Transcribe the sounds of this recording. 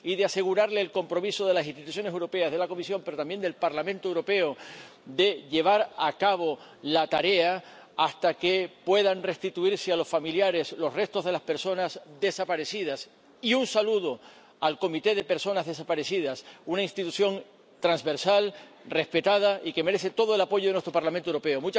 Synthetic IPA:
iðease̞ɣuɾaɾle̞ːlko̞mpɾo̞miso̞ð̞e̞las̬inst̪it̪us̬jo̞nes̬ewɾo̞pe̞azðe̞lako̞misjo̞mpe̞ɾot̪ambje̞nd̪e̞lpaɾlamẽnt̪oewɾo̞pe̞o | d̪e̞ʎe̞β̞aɾakaβo̞ | lat̪aɾe̞a | ast̪akepwe̞ð̞anre̞st̪it̪uiɾsealo̞sfamiljaɾe̞slo̞sre̞st̪o̞zðe̞laspe̞ɾso̞nasd̪e̞sapaɾe̞siðas | iunsaluðo̞ | alko̞mit̪e̞ð̞e̞peɾso̞nazðe̞s̬apaɾe̞siðasunainst̪it̪uθjo̞ŋ | t̪ɾanzβe̞ɾsal | re̞spe̞t̪að̞aike̞me̞ɾe̞θe̞t̪o̞ðoe̞lapo̞ʝoðnwest̪ɾo̞paɾlamẽnt̪owɾo̞pe̞omũt͡ʃ

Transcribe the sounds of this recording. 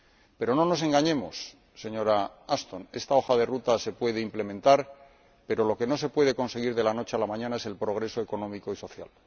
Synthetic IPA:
pe̞ɾo̞no̞no̞s̬e̞ŋɡaɲe̞mo̰sː | e̞ɲo̞ɾaast̪o̞ne̞st̪ao̞xaðe̞rut̪ase̞pwe̞ð̞eimple̞mẽnt̪aɾ | pe̞ɾo̞lo̞ke̞no̞se̞pwe̞ð̞e̞ko̞nse̞ɣ̞iɾðe̞lano̞t͡ʃe̞alamãɲãnae̞se̞lpɾo̞ɣ̞ɾe̞so̞e̞ko̞nõ̞mikoiso̞θja̰l

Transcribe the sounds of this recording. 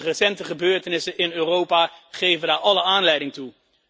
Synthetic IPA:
rəsɛntəχəbøːɹtənɪsənʔɪnøːrowpaːχejvəndaːɹɑləaːnlɛjdɪŋtu

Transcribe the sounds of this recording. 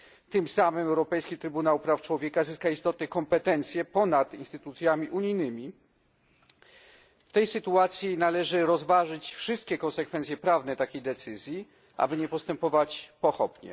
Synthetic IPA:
t̪ɘmsamɘmɛwɾɔpɛjskʲit̪ɾɘbunawpɾaft͡ʂwɔvʲjɛkazɘskaist̪ɔt̪nɛkɔmpɛt̪ɛnt̪sʲjɛpɔnat̪inst̪ɘt̪ut̪sʲjamʲiʔuɲijnɘmʲi | ft̪ɛjsɘt̪uat̪sʲjinalɛʐɘɾɔzvaʐɘt͡ɕfʂɘst̪̚kʲɛkɔ̃nsɛkfɛnsʲjɛpɾavnɛt̪akʲejd̪ɛt̪sɘzʲji | ʔa̰bɘɲɛpɔst̪ɛmpɔvat͡ɕpɔxɔpɲɛ̰

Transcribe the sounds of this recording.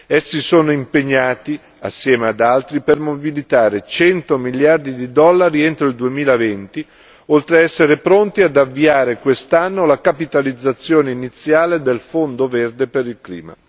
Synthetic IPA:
ɛsːisoːnoimpeɲːaːt̪i | a̰sːjɛːmead̪alt̪ɾipermobilit̪aːɾet͡ʃɛnt̪omiljard̪id̪id̪ɔlːaɾient̪ɾoild̪uemiːlavent̪i | olt̪ɾeɛsːeɾepɾont̪iad̪avːiaːɾekwest̪anːolakapit̪alid̪zːat̪sːjoːneinit̪sːjaːled̪elfond̪overd̪epeɾilklḭːma̰

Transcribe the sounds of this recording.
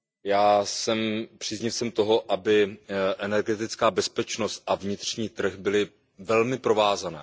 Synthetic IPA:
jaːsɛmpr̝̥iːzɲɪfsɛmt̪o̞ɦo̞ʔabɪʔɛnɛɾɡɛt̪ɪt͡skaːbɛspɛt͡ʃnost̪̚ʔavɲɪt̪r̥ɲiːt̪r̩xbɪlɪ | vɛlmɪpɾo̞vaːzanɛ̰ː

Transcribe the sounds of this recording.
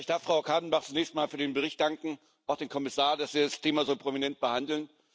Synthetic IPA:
ɪçd̥aɐfʁ̥aʊkʰaːdn̩baχt͡sumnɛːçstn̩maːlfyːɐɾeːnbəʁ̞ɪçt̚d̥aŋkŋ̩ | ʔaʊxd̥eːnkʰɔmɪsaːɐd̥asv̥iːdastʰeːmazoːpʁ̥ominɛnt̚b̥əhandl̩n

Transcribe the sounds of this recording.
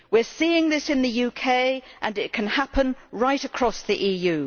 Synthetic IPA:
wɪəsiːɪ̃ŋðɪsɨ̃nðəjʉːkʰeɪʔə̃nɪt̚kʰə̃nhapə̃nɹaɪtəkʰɹ̥ɒsðiʔiːjʉː

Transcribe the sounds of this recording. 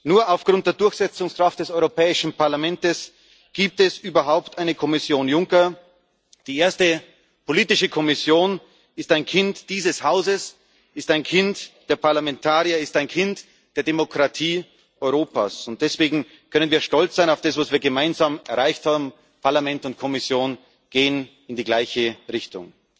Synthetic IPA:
nuːɐaʊfɡ̥ʁʊnt̚d̥eːɐdʊɐçz̥ɛt͡sʊŋskʁ̥aft̚d̥ɛsɔʏʁopɛːɪʃn̩pʰaɐlamɛntəs | ɡ̥iːp̚tɛsʔyːbɐɦaʊptʰaɪnəkʰɔmɪsjoːnjʊŋkɐ | d̥iːeːɐstə | pʰoliːtɪʃəkʰɔmɪsjoːn | ɪstaɪnkʰɪntd̥iːzəshaʊzəs | ɪstaɪnkʰɪntd̥eːɐpʰaɐlamɛntʰaːʁiɐɪstaɪnkʰɪnt | d̥eːɐdemokʁ̥atʰiː | ʔɔʏʁoːpa̰ːsʊnt̚d̥ɛsv̥eːɡŋ̩ | kʰœnənviːɐʃtɔlt͡sz̥aɪnaʊfd̥asv̥asv̥iːɐɡəmaɪnzaːmɛɐʁaɪçthaːbm̩ | pʰaɐlamɛntʊntkʰɔmɪsjoːn | ɡ̥eːən | ɪndiːɡlaɪçəʁɪçtʊ̰ŋ

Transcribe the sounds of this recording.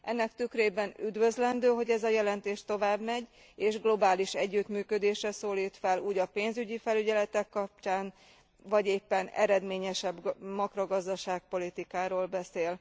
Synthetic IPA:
ʔɛnːɛkt̪ykreːbɛnyd̪vø̞zlɛnd̪øːɦo̞ɟɛzɒjɛlɛnt̪eːʃt̪o̞vaːbmɛɟ | eːʒɡlo̞baːliʃɛɟːyt̪myːkød̪eːʃɛsoːliːt̪fɛluːɟɒpeːnzyɟifɛlyɟɛlɛt̪ɛkːɒp̚t͡ʃaːn | vɒɟeːpːɛnɛ̰ɾɛd̪meːɲɛʃɛbmɒkro̞ɡɒzd̪ɒʃaːk̚po̞lit̪ikaːɾoːlbɛseːl

